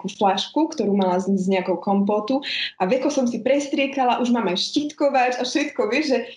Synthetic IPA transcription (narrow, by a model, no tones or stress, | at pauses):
kuːflaʃkukt̪ɔɾuːmalazizɲɛakɔʊkɔmpɔt̪uʔaʋɛkɔsɔmsipɾɛst̪ɾɪɛkalaʔuʒmaːmajʃcit̪kɔʋat͡ʃafʃɛt̪kɔʋɪɛʒʒɛ